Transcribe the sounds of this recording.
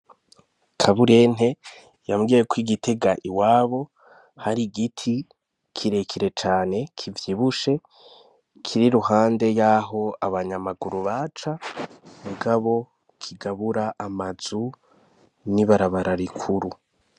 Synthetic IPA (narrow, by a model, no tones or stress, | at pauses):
kʰaβuɾe̞n̥e̞ | jamɡijekwiɡitʰe̞ɡaʔiwaːβo̞ | haɾiɡitʰi | kʰiɾe̞kʰiɾe̞t͡ʃaːne̞kʰivjiβuʃe̞ | kʰiɾiɾuɦaːnde̞jaːɦo̞aβaɲamaɡuɾuβaːt͡ʃamuɡaβo̞ | kʰiɡaβuɾaʔːmazu | niβaɾaβaɾaɾikʰuɾu